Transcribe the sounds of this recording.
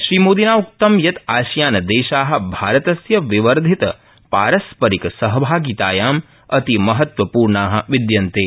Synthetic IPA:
ʃɾiːmoːd̪inaːuk̚t̪ɐmjɐt̪aːʃjaːnɐd̪ɛːʃaːɦɐ̆bʱaːɾɐt̪ɐsjɐʋiʋɐɾd̪ʱit̪ɐ | pa̰ːɾɐspɐɾikɐsɐɦɐbʱaːɡit̪aːjaːm | ɐt̪imɐɦɐt̪ʋɐpuːɾɳaːɦɐ̆ʋid̪jɐnt̪eː

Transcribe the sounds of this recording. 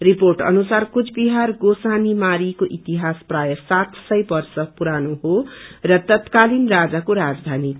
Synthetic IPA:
riporʈʌ̰nusarkut͡sʰbiɦarɡosanimaɾikoʔit̪iɦasprajʌsat̪sʌjbʌrsʌpuɾanoɦorʌt̪ʌt̪kalinrad͡zakoɾad͡zd̪ʱani

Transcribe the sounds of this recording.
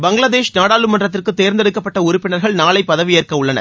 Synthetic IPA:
bɐŋɡɭɐðeːʂnaːɽaːlɯmɐndrɐt̪̬ːɪrkɯt̪ːeːɾnd̪ɛɽɯkːɐpːɐʈːɐʊɾʊpːɪnɐɾɣɐɭnaːɭɐɪpːɐðɐʋɪjeːrkɐʊɭːɐnɐ̰

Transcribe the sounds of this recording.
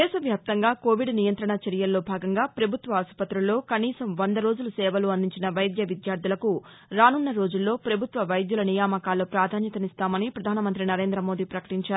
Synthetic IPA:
dd̪ɛːʃɐʋjaːp̚t̪ɐŋɡaːko̞ːʋiɖnijɐnt̪ɾɐɳɐt͡ʃɐɾijɐlːo̞ːbʱaːɡɐŋɡaːpɾɐbʱut̪ʋɐːspɐt̪ɾɐlːo̞ːkɐniːsɐmʋɐnd̪ɐɾo̞ːd͡ʒulusɛːʋɐluːɐnd̪iɲt͡ʃinɐʋɐjd̪jɐʋid̪jaːɾd̪ʱilɐku | ɾaːnunːɐɾo̞ːd͡ʒulːo̞ːpɾɐbʱut̪ʋɐʋɐjd̪julɐnijaːmɐkaːlːoːpɾaːd̪ʱaːnjɐt̪ɐnist̪aːmɐnipɾɐd̪ʱaːnɐmɐnt̪ɾinɐɾe̞ːnd̪ɾɐmo̞ːd̪iːpɾɐkɐ̥ʈiɲt͡ʃaːɾu

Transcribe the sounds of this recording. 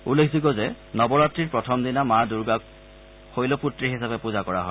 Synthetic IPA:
ulːekʰziɡɔzɛ | nɔbɔɹatɹiɹpɹɔtʰɔmdinamaduɹɡak̚ | xojloputɹiɦisapɛpuzakɔɹa̰ɦɔj

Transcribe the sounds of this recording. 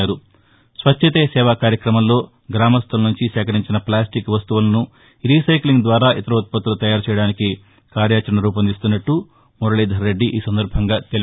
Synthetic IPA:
aːɾu | sʋɐt͡ʃːɐt̪eːsɛːʋaːkaːɾjɐkɾɐmɐmlo̞ː | ɡɾaːmɐst̪ʰɐlɐnuɲt͡ʃisɛːkɐɾiɲt͡ʃinɐplaːsʈikʋɐst̪uʋulɐnu | ɾisɐjkliŋɡd̪ʋaːɾaːʔit̪ɐɾɐut̪̚pɐt̪ːɾulut̪ɐjaːɾut͡ʃɛjɐɽaːniki | kaːɾjaːt͡ʃɐɾɐɳɐɾuːpɐnd̪ist̪unːɐʈːu | mɔɾɐɭiːd̪ʱɐɾːeɖːiʔiːsɐnd̪ɐɾbʱɐŋɡaːt̪el

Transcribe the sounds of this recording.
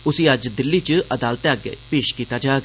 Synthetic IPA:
ʊsiːəd͡ʒd̪ɪlːiːt͡ʃəəd̪aːlt̪aɡḛpeːʃkiːt̪ad͡ʒaːɡ

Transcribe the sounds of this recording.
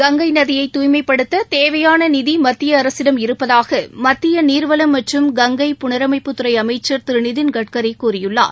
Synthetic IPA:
ɡɐŋɡɐɪnɐðɪjɐɪt̪ːuːjmɐɪpːɐɽɯt̪ːɐt̪eːʋɐjaːnɐnɪðimɐt̪ːɪjɐːɾɐsɪɽɐmɪɾɯpːɐðaːɣɐmɐt̪ːɪjɐniːɾʋɐlɐmːɐʈrɯmɡɐŋɡɐɪpʊɳɐɾɐmɐɪpːɯt̪ːɯɾɐɪɐmɐɪt͡ʃːɐɾt̪ɪɾɯnɪðɪnɡɐʈ̚kɐɾɪɪkːuːɾɪjɯɭːa̰ː

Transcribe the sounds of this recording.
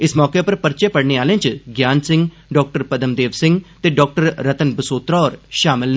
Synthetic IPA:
ɪsmɔːkeːpəɾpəɾt͡ʃeːpəɽɳeːaːlẽːt͡ʃɡjaːnsɪ̃ŋɡ | ɖɔːk̚ʈəɾpəd̪əmd̪eːʋsɪ̃ŋɡt̪eːɖɔːk̚ʈəɾɾət̪ənbəsoːt̪ɾɔːɾʃaːmɪln

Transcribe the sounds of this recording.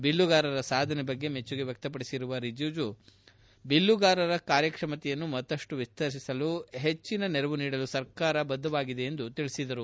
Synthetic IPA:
bilːuɡaːɾɐɾɐsaːd̪ʱɐnebɐɡːe̞met͡ʃːuɡe̞ʋjɐk̚t̪ɐp̬ɐɽisiɾuʋɐɾid͡ʒuːd͡ʒu | bilːuɡaːɾɐɾɐkaːɾjɐkʂɐmɐt̪ɛjɐnːumɐt̪ːɐʂʈuʋist̪ɐɾs̬isɐluɦet͡ʃːinɐnɛɾɐʋuniːɽɐlusɐɾkaːɾɐbɐd̪ːɐʋaːɡid̪e̞ːnd̪ut̪iɭisid̪ɐɾu

